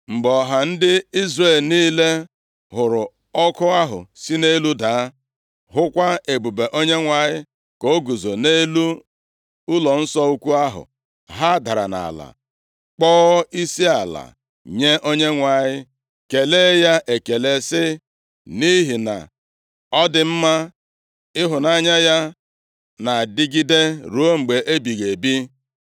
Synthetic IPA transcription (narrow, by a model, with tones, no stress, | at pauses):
ŋ͡m̩˨ɡ͡bɔ˨ɦa˨n̩˦dɪ˦i˦zre˦˨lniː˦le˦ | ɦʊ˨ɾʊ˨ | ɔ˦kʊ˦a˦ɦʊ̰˨si˦ne˦lu˦daː˨˦ | ɦʊ˦kʷa˦e˨bu˨be˨ʔo˦ɲe˦ŋʷa˨ɲɪ˦ | ko˦ɡu˨zo˨ne˦lu˦ | ʊ˦lɔ˨n̩˦sɔ˦u˦kʷu˦a˦ɦʊ̰˨ | ɦa˦da˨ɾa̰˨na̰˨la̰˨ | k͡pɔː˦i˦si˦a˨la̰˨ | ɲe˦ʔo˦ɲe˦ŋʷa˨ɲɪ˦ | ke˨leː˦ja˦ʔe˨ke˨le˦sɪ˦ | ni˦ɦi˨na̰˨ | ɔ˦dɪ˨m̩˦ma˦ | ɪ˦ɦʊ˨na˨˦ɲa˦ja˦ | na˨dɪ˦ɡi˦de˦ɾu˨˦o˦ŋ͡m̩˨ɡ͡be˨ʔe˦bi˨ɣe˨bi˦